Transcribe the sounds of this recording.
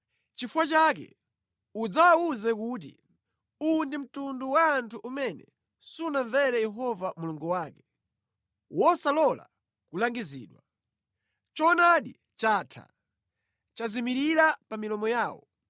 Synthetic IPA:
t͡ʃifuwat͡ʃak̬ɛ̰ | ud͡zawawuzɛkuːt̬ḭ | undim̩tunduwaːntʰuʔumɛnɛ̰ | sunaɱvɛɾɛjɛɦɔvamuluŋɡuwaːkɛ | wʔɔsalɔla̰ | kulaŋɡizḭːɗwa | t͡ʃɔnaɗi | t͡ʃaːtʰa̰ | t͡ʃazimiɾiɾapamilɔmɔjaːwɔ̰

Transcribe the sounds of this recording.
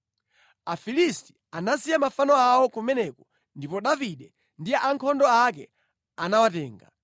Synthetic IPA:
afilisti̥ | anasijamafanɔawɔkumɛnɛkɔ | ndipɔɗaviɗɛ | ndiɛaŋkʰɔndɔakɛ | anawatɛːŋɡa̰

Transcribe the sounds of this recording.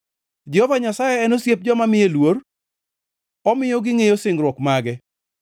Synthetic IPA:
d͡ʒɛhovaɲasajɛɛnosjep̚d͡ʒɔmamɪjelwor | ɔmɪjoɡɪŋejosɪŋɡɾwɔkmaɡɛ

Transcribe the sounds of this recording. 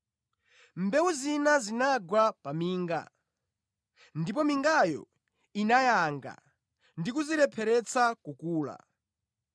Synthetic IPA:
mbɛwuzinazinaɡwapamiːŋɡa̰ | ndipɔmiŋɡajɔ̰ | inajaŋɡa̰ | ndikuziɾɛpʰɛɾɛt͡sakukuːla̰

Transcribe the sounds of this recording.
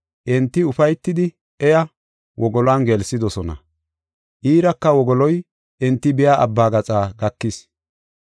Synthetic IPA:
ʔɛnt̪ːɪʊfɐjt̪ːɪd̪ɪ | ɛjɐ | wɔɡɔlaːnɡɛlsɪd̪ɔsɔnɐ̰ | ʔiːɾɐkːɐwɔɡɔlɔj | ʔɛnt̪ːɪbɪjaːʔɐ̰bːaːɡɐt͡sʼaːɡɐkːɪs

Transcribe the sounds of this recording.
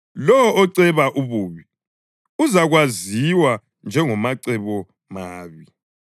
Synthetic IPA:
lɔɔɔǀɛβaʔuβuːβi | uzaɣwaziwa | nd͡ʒʱɛŋɔmaǀɛβɔ | maːβi

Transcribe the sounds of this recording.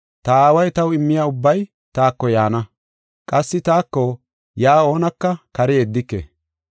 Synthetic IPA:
t̪ɐaːwɐjt̪ɐwɪmːɪjaːʊbːɐj | t̪aːkːɔjaːnɐ | kʼɐsːɪt̪aːkːɔ | jaːo̞ːnɐkːɐkɐɾɛeːd̪ːɪkːḛː

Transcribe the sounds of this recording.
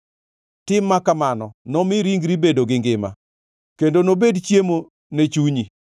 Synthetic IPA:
tɪmːakamanɔnɔmɪɾiŋɡɾibedoɡɪŋɡɪma̰ | kendonobedt͡ʃjemo | net͡ʃuɲi

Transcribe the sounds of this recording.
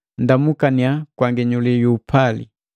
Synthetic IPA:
ndamukaniakwaŋɡɛɲulijuːpʰalḭ

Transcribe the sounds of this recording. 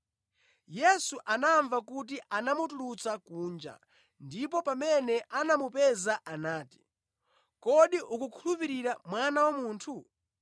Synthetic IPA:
jɛsuʔanaɱvakut̬iʔanamutulut͡sakuːnd͡ʒa̰ | ndipɔpamɛnɛʔanamupɛzaʔanaːti̥ | kɔɗiʔukukʰulupiɾiɾamwanawamuːntʰu

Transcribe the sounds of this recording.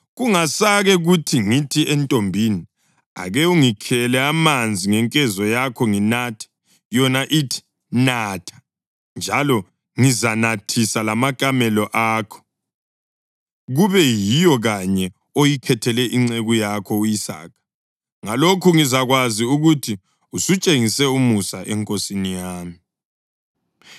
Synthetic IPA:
ɣuŋasaɣɛɣutʰiŋitʰiɛntʼombʱini | a̰ɣɛuŋikʰɛlɛamand͡zʱiŋɛŋkʼɛzɔjakʰɔŋinatʰɛ̥ | jɔnaʔitʰi̥ | natʰḁ | nd͡ʒʱalɔ | ŋizanatʰisalamakʼamɛlɔʔaːkʰɔ̥ | ɣuβɛjijɔɣaɲɛ | ojikʰɛtʰɛlɛʔiŋ͡ǀeɣujakʰɔujisa̰ːkʰḁ | ŋalokʰuŋizaɣwaziuɣutʰi | usut͡ʃʼeŋisɛumusaʔɛŋkʼosinijaːmi

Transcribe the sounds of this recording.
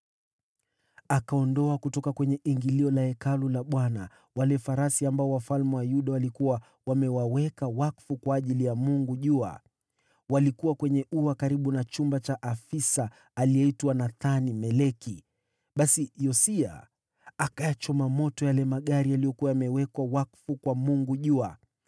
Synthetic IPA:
akaɔndɔakutɔkakwɛɲɛʔiŋɡiliɔlahɛkalulaɓwana̰ | walɛfaɾasiambaɔwafalmɛwajuɗawalikuwa | wamɛwawɛkawakfukwaːʄilijamuŋɡuʄua̰ | walikuwakwɛɲɛuakaɾiɓunat͡ʃumbat͡ʃaʔafisaː | liɛitwanaθanimɛlɛki | ɓasijɔsia̰ | akajat͡ʃɔmamɔtɔjalɛmaɠaɾialijɔkuwajamɛwɛkwawakfukwamuŋɡuʄua

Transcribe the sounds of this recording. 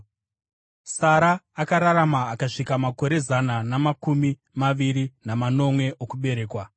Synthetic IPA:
saɾaːkaɾaɾamaːkaʂikamako̞ɾe̞zananamakumi | maʋiɾinamano̞mwe̞ʔokuɓe̞ɾe̞ːkwa

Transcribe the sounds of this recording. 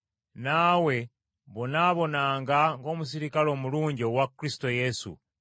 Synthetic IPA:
nawe̞ | βonaβo̞naːŋɡaŋɡo̞ːmus̬iɾikalo̞ːmuluːɲɟiowakːɾisi̥to̞je̞sṵ

